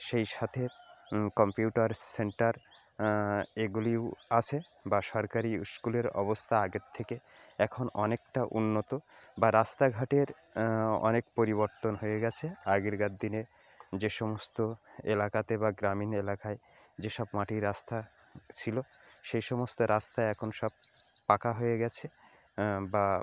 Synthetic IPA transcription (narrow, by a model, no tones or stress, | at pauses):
ʃejʃat̪ʰekɔmpiuʈaɾseɳʈaɾ | eɡuliwat͡ɕʰe | baʃɔɾkaɾiuʃkuleɾɔ̰bost̪ʰaaɡeɾt̪ʰːeke | ɛkʰonɔnekʈaʔṵnːot̪obaɾast̪aɡʱaʈeɾ | ɔ̰nekpoɾiβoɾt̪onɦojeɡɛt͡ɕʰeaɡeɾɡad̪ːined͡ʑeʃɔmost̪oelakat̪ebaɡɾaminelakae | d͡ʑeʃɔbmaʈiɾast̪ʰa | t͡ɕʰiloʃejʃɔmost̪oɾast̪aeɛkʰonʃɔb̚pakaɦojeɡɛt͡ɕʰe | ba